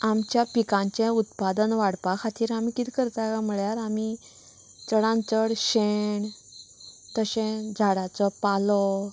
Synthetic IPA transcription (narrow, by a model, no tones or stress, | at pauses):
amt͡ɕjapikãɲt͡ɕɛ̃ut̪pad̪ənʋaɽpakʰat̪ʰiːɾamikit̪ʰikəɾt̪akam̤əɭjaɾami | t͡səɽãnt͡səɽɕeɳ | t̪əɕɛ̃d͡zʱaɽat͡sɔpalɔ